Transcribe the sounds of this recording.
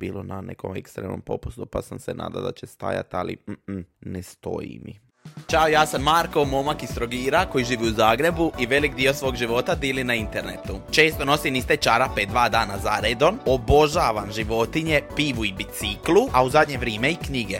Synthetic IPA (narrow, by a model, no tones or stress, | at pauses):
b̥iːlˠonanḛko̰mḛkst̪ɾemno̰mpo̞̰pu̥st̪upasamsena̰ːd̪a̰d̪at͡ɕest̪a̰ja̰t̪alḭnest̪o̞jḭmi | t͡ʃaojaːsamːaɾko̞mo̞makist̪ɾoɡiːɾako̞jiʒiːʋiuzaːɡɾe̞buʔiʋe̞likd̪iːo̞sʋo̞ːɡʒiʋo̞ːt̪ad̪iːlinaint̪eɾnet̪ut͡ʃe̞ːst̪ono̞sinist̪et͡ʃaɾaped̪ʋaːd̪aːnazaɾed̪o̞nobo̞ʒaːʋamʒiʋo̞t̪iɲe̞piːʋuibit̪siklˠuauzad̪ʲɲe̞ʋɾjeːmeikɲiɡe